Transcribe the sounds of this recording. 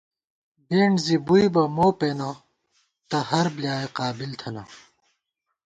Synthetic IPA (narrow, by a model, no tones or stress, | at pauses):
beːɳzibuibɐmoːpeːnɐ | t̪ɐhɐɾbljaːeqaːbilt̪ʰɐnɐ̰